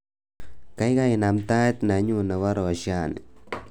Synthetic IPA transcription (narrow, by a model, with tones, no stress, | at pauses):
ka˦jka˦jɪ˨na˨mt̪a˦t̪na˨˦ɲu˦na˨wa˦ɾɔ˨a˨ʃa˦˨nɪ̰˨